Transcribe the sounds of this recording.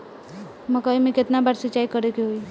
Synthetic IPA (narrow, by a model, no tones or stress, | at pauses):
məkaimẽket̪nabaɾsət͡ʃaikəɾekeɦoi